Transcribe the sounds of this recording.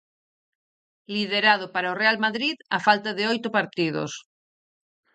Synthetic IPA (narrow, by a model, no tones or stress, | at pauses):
liðeɾað̞opaɾaorealmaðɾiðafalt̪aðeojt̪ʊpaɾt̪iðo̰s